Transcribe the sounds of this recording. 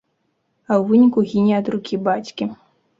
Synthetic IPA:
ɐwvɨnʲikuɣʲinʲiɐd̪rukʲibat͡sʲkʲi

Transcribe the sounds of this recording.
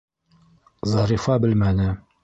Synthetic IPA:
zɑɾifɑbɘlmænɘ

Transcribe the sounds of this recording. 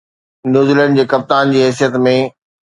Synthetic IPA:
njuːzilə̃ɳɖd͡ʑeːkɐp̚t̪aːnd͡ʑiːɦɛːs̬ijət̪mẽ

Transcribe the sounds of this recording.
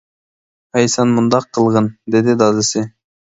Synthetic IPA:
ɑjsɑnmund̪ɑqʰːɯlˠʁɤnd̪e̞d̪ɪd̪ɑzɪsɪ

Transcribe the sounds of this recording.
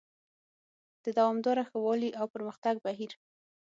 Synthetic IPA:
d̪̥əd̪awɑmd̪ɑɾaxawɑliʔawpəɾməxt̪aɡ̚baɦiɾ

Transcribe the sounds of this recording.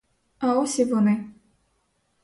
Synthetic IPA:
aɔsʲivɔnɪ

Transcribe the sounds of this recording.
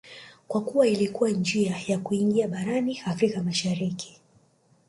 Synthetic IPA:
kwakuwailikuwand͡ʒiajakuiŋɡiaɓaɾaniafɾikamaʃaɾiki̥

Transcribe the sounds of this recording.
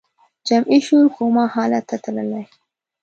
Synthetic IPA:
d͡ʒamʔiʃulkomɑhɑlat̪ːat̪ləlaj

